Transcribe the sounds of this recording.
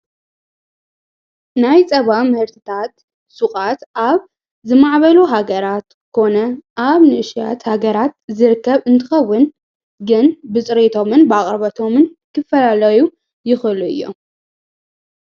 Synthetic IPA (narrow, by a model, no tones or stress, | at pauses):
najt͡sʼɐβamɨhɨɾt̪ʰɨt̪ʰat̪ | suχʼat̪ʔaβ | zɨmaʕβɐluɦaɡɐɾat̪ | kʰo̞nɐʔaβnɨɨʃja̰t̪haɡɐɾat̪zɨɾɨkːɐβɨnt̪ʰɨxɐwːʊn | ɡɨnbɨt͡sʼɾet̪ʰo̞mɨnbɨaχʼɾβɐt̪ʰo̞mɨnkʰɨfɐlalɐju | jɪxɨluɨ̰jːo̰